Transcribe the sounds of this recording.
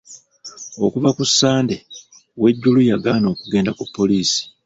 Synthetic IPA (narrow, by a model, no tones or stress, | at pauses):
o̞kuvakusːaːnde̞ | we̞ɟːulujaɡaːno̞ːkuɡe̞ːndakupːo̞liːsi̥